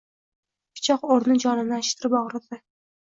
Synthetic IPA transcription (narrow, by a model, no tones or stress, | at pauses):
pʰɪ̥t͡ʃʰɒqoɾnɪd͡ʒɒnɪnɪaʃt̪ʰɪɾɪbɒʁɾɪd̪ɪ